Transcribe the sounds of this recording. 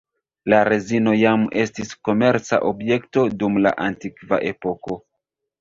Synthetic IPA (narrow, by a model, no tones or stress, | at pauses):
laɾezino̞jame̞stisko̞me̞ɾt͡sa̰ʔobje̞kto̞dumla̰ʔantikva̰ʔe̞po̞ko̞